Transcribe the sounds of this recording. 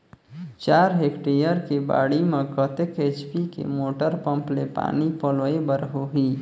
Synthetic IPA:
t͡ʃaːɾɦeːkʈɾijəɾkeba̰ːɽimẽkət̪ekeːt͡ʃpikḛmoːʈəɾpə̃mplepa̰ːnipɔləebəɾɦoɦiː

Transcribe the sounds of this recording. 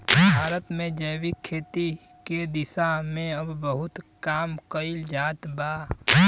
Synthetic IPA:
bʱaːɾət̪mẽd͡ʒəːwɪkʰːeːt̪i | ked̪ɪsamẽɐbːəɦʊt̪kaːmkəɪld͡ʒaːt̪baː

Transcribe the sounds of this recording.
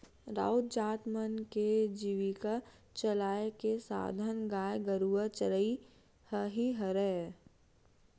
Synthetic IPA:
ɾa̰ːʊt̪̚d͡ʒaːt̪mənked͡ʒiʋika | t͡ʃəlaːekesa̰ːd̪ʱənɡaːjeɡəɾuət͡ʃəɾəi | həɦiɦəɾɛ

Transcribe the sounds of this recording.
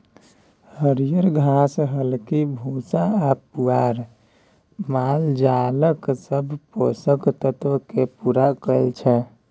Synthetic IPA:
həɾijəɾɡʱasɦəlkibʱusaapuaɾ | mald͡ʒaləksəbʱposəkt̪ət̪ʋkepuɾakəlt͡ʃʰɛ

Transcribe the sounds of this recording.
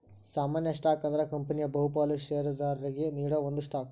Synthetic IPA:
saːmaːnjɐʂʈaːkɐnd̪ɐɾɐkɐmpɐnijɐbɐɦupaːluʃeːɾɐd̪aːɾɐɾiɡeniːɽoːʋond̪uʂʈaːk̚

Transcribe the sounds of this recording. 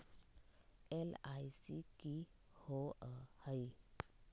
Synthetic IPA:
elajsiki | hoəhai

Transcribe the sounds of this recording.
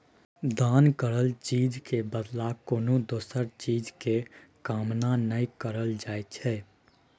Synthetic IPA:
d̪aːnkəɾəlt͡ʃiːd͡ʒkebəd̪lakoːnõd̪oːsəɾt͡ʃiːd͡ʒkekaːmnanəikəɾəld͡ʒaːet͡ʃʰɛː

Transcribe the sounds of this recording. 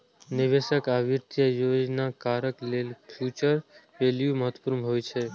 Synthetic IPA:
nɪʋeʃəkaʋiɾt̪jəjod͡ʒnakaɾəklelpʰjut͡ʃəɾ | ʋeljuməɦət̪puɾmɦojt͡ʃʰe

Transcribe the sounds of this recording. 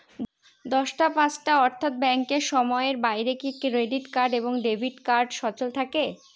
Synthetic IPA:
d̪ɔʃʈapãt͡ɕʈaɔɾt̪ʰat̪̚bɛŋkeɾʃɔmɔeɾbajɾekikɾeɖiʈkaɾɖeboŋɖebʱiʈkaɾɖʃɔt͡ɕolt̪ʰake

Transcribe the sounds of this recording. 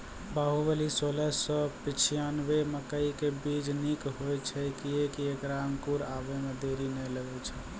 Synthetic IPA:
baɦubəlisoləsəpit͡ʃʰijanbeməkəikebid͡ʒnikɦojt͡ʃʰɛkiekiekɾamkuɾabemed̪eɾinɛləɡɛt͡ʃʰɛ

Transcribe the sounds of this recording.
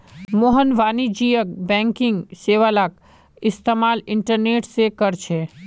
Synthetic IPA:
moɦənʋaːnid͡ʒiːjək̚bɛ̃ːŋkɪ̃ŋɡseːʋalak | ɪst̪eːmaːlɪ̃ɳʈəɾneːʈsekəɾt͡ʃʰeː

